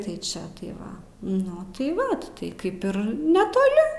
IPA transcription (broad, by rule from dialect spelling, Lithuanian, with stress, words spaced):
ˈtɐɪ ˈt͡ʃʲɛ tɐɪ ˈʋɐ ˈnʊ tɐɪ ˈʋɐ tɐɪ ˈkɐɪp ɪr nʲɛtoːˈlʲɪ